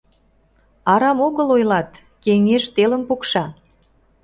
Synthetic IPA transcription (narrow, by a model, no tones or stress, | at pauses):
ɑɾɑmoɣəlojlɑt̪ | keŋeʃt̪eləmpukʃɑ